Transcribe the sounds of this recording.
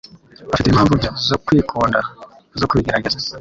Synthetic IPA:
βaʃitiimhaːɱvuzokwiːkʰoːnda | zokuβiɡeɾaɡeza

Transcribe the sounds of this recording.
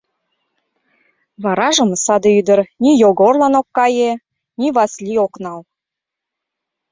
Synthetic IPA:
βɑɾɑʒə̆məsɑd̪eyd̪əɾnijoɣorlɑnokːɑje | niβɑslʲioknɑl

